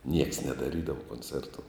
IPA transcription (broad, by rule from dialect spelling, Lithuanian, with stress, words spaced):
nʲiɛks nʲɛdɐˈrʲiːdɐʋoː koːnʲˈt͡sʲɛrtʊ